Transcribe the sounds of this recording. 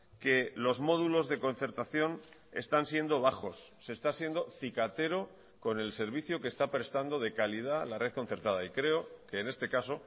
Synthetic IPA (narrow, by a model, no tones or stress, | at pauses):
ke̞lo̞zmo̞ðulo̞zðe̞ko̞n̟θe̞ɾt̪aθjo̞ne̞̰st̪ansje̞nd̪o̞β̞axo̞sːe̞st̪asje̞nd̪o̞θikat̪e̞ɾo̞ | ko̞ne̞lse̞ɾβ̞iθjokest̪apɾe̞st̪and̪o̞ð̞e̞kalið̞alare̞ðko̞n̟θe̞ɾt̪að̞aikɾe̞o̞ke̞ːne̞st̪e̞kaso̞